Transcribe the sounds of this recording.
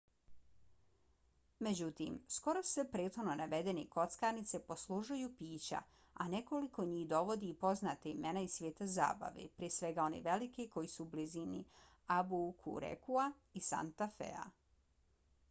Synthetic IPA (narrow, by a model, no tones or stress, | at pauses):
me̞d͡ʑut̪imsko̞ɾossepɾeːt̪xononaʋe̞d̪e̞niko̞t̪skaːɾnit̪sepo̞slˠuʒujupiːt͡ɕa̰ | a̰neko̞liko̞ɲiːhd̪o̞ʋo̞d̪iːpo̞znat̪eimenaisʋjeːt̪aza̰ːba̰ʋḭpɾiesʋe̞ɡao̞neʋe̞likiko̞jisuːblizini | abukʰṵɾḛkua | isa̰nt̪afḛa̰